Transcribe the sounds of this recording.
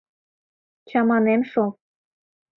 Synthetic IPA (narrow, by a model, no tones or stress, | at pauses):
t͡ɕɑmɑnemʃo